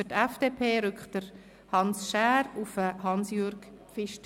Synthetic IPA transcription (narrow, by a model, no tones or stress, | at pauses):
ətɛfd̥eːpʰeːɾʏkχd̥əɾ | hɑnsʃæːɾufəhɑnsjøɾkfɪʃt